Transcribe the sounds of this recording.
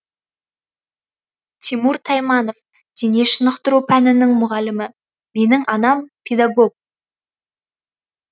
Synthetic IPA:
t̪ʰimuɾt̪ʰɑjmɑno̞v | d̪̥ine̞ʃənəqt̪əɾupʰænɪnɪŋmʊʁɑlɪmɪ | me̞nɪŋɑnɑmpʲʰed̪aɡo̞ɡ̚

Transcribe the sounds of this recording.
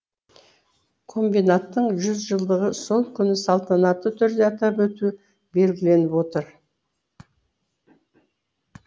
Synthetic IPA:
kʰo̞mbijnat̪ːəɴʒʏzʒəlˠd̪əʁəso̞lˠkʲʰʏnɪsɑlˠt̪ɑnɑt̪ːət̪ʰʏɾd̪e̞ɑt̪ɑpwɵt̪u | be̞lɡʲɪle̞nɪpwo̞t̪əɾ

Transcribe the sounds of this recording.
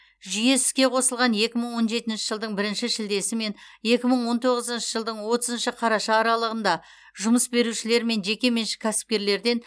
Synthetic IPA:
ʒʏje̞sɪ̥zkʲe̞qʰo̞səlˠʁɑnje̞kʲɪməɴwo̞nʒe̞t̪ɪnʃɪ̥ʒəlˠd̪əɴbɪɾɪnʃɪʃɪld̪e̞sɪme̞n | je̞kʲɪməɴwo̞nt̪ʰo̞ʁəzənʃɪʒəlˠd̪əɴwo̞t̪əzənʃɪqʰɑɾɑʃɑːɾɑlˠəʁənd̪ɑ | ʒʊməsbe̞ɾuʃɪle̞ɾme̞nʒe̞kʲe̞me̞nʃɪ̥kʲʰæsɪ̥p̚kʲe̞ɾle̞ɾd̪e̞n

